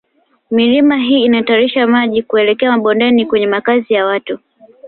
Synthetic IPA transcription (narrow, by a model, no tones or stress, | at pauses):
milimaɦiːnataɾiʃamaʄikuɛlɛkɛamaɓɔndɛnikwɛɲɛmakazijawatu